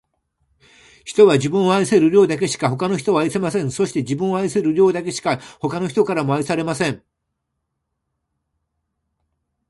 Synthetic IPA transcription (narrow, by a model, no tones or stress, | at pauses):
çi̥t̪o̞βad͡ʑibɯ̃ɰ̃o̞aise̞ɾɯ̟ɾʲo̞ːd̪ake̞ɕi̥kaho̞kano̞çʲi̥t̪oβaise̞masẽɰ̃so̞ɕi̥t̪e̞d͡ʑibɯ̃ɰo̞aiseɾɯɾʲo̞ːd̪ake̞ɕi̥kaho̞kano̞çi̥t̪o̞kaɾamo̞aisaɾe̞masẽ̞ɴ